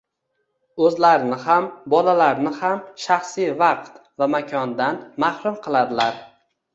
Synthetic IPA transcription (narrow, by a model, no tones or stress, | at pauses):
ɵzlaɾɪnɪhambɒlalaɾnɪhamʃaχsijvɑqt̪vamakʲʰɒnd̪anmahɾʊmqʰɨlˠad̪ɪlaɾ